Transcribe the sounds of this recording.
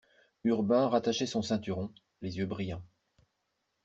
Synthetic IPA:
yʁbɛ̃ʁat̪aʃɛsɔ̃sɛ̃t̪yʁɔ̃ | lezjøbʁijɑ̃

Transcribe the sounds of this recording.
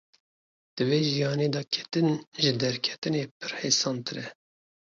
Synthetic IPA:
d̪̥ɨveːʒijɑːneːd̪ɑːkʲʰɛ̥t̪ɨnʒɨd̪ɛɾkʰɛ̥t̪ɨneːpʰɨɾheːsɑːnt̪ɨɾɛ

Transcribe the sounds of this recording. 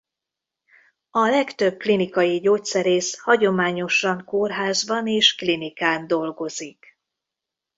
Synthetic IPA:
ɒlɛkt̪ø̞b̚klinikɒjiɟoːt̪sɛɾeːshɒɟo̞maːɲo̞ʃɒŋkoːrɦaːzbɒneːʃklinikaːnd̪o̞lɡo̞zik

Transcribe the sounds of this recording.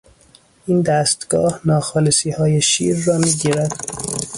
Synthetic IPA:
ʔiːnd̪æːst̪ɡ̥ɒ̰ːhnɒːxɒːlesiːhɒːjeʃḭːɾːɒːmiːɟiːɾæd̪̥

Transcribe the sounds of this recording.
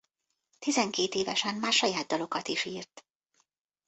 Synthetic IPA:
t̪izɛŋkeːt̪eːvɛʃɛnmaːrʃɒjaːd̪̚d̪ɒlo̞kɒt̪iʃiːrt̪

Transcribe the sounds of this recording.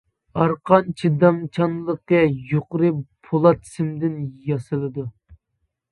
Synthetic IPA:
ɑɾqʰɑnt͡ʃʰid̪ɑmt͡ʃʰɑnlˠəqɛjoqɾɨpʰolˠɑt̪ʰsɪmd̪ɪnjɑsɨlˠɨd̪u

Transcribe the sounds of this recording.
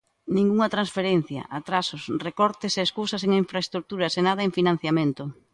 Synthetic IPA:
nĩŋɡuŋɐt̪ɾãnsfeɾen̟θjɐ̰ʔat̪ɾasʊsrekɔɾt̪ɪseːskusɐseŋiɱfɾaest̪ɾuk̚t̪uɾɐsenað̞ɐeɱfinãn̟θjamẽnt̪ʊ

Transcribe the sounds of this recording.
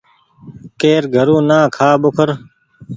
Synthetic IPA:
keːɾɡʱəɾũːnaːkʰaːɓʊkʰəɾ

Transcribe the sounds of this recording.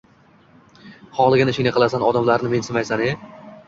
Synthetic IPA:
χɒlˠɪɡʲanɪʃɪŋnɪqʰɨlˠasanɒd̪amlaɾnɪme̞nsɪmajsane

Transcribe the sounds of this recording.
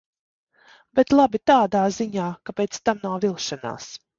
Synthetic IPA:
bɛt̪lˠabit̪aːd̪aːziɲaːkapɛːt̪st̪amnawvilˠʃana̰ːs

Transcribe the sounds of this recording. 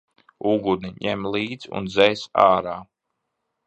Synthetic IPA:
uɡud̪niɲɛmlˠiːd̪zṵnzɛjsaːɾaː

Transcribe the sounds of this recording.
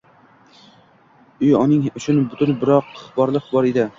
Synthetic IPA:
ʊjɒnɪŋʊt͡ʃʰʊnbʊt̪ʰʊnbɪɾɒqχbɒɾlˠɨqbɒɾed̪ɪ

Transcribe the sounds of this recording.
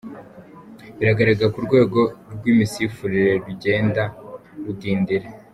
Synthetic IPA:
βiɾaɡaɾaɡakuɾɡwe̞ːɡo̞ɾɡwiːmisifuɾiɾe̞ɾuɟe̞ːndaɾudiːndiɾe

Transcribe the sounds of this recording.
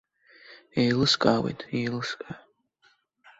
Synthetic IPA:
ejlɨskʼaːwḛjtʼejlɨskʼa

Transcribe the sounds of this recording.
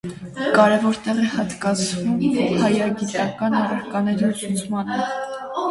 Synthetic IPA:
kɑɾɛvɔɾt̪ɛʁɛhɑt̪kɑt͡sʰvumhɑjɑɡit̪ɑkɑnɑrəɾkɑnɛɾilut͡sʰmɑnə

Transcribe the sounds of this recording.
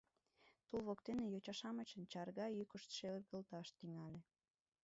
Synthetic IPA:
t̪ulβokt̪enejot͡ɕɑʃɑmət͡ɕənt͡ɕɑrɣɑykəʃt̪ʃerɣəlt̪ɑʃt̪iŋɑlʲe

